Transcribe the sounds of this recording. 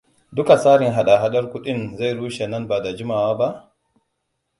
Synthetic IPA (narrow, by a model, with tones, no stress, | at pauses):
dʊ˦ka˨saː˦ɽɪ˨ŋɦa˦˨ɗa˨ɦa˦ɗɐ˦rkʷʊ˦ɗɪ˦nza˦˨jɽuː˦ʃe˨nɐ˦nba˨da˨d͡ʒɪ˦maː˨waː˦ba˦ʔ